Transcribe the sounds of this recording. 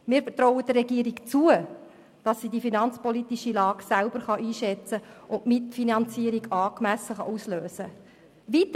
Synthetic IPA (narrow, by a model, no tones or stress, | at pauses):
miːɾfəɾtɾɔʊəd̥̪ərːɛɡiəɾikt͡suə | d̥ɑsːidifinɑnt͡spɔlitiʃilɑːɡsælbəɾχɑʔiːʃɛt͡səʔʊnmɪtfinɑnt͡siːəɾiɡɑːkmæsəχɑʔusløːsə | ʋit